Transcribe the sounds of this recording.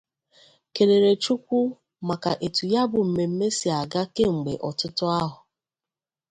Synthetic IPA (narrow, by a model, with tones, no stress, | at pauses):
ke˨le˨ɾe˨t͡ʃu˦kʷu˦ | ma˨ka˨ʔe˨tu˨ja˦bʊ˨m̩˨me˨m̩˦me˦si˨a˨ɡa˦ke˦ŋ͡m̩˨ɡ͡bḛ˨ʔɔ˨tʊ˦tʊ˦a˦ɦʊ˨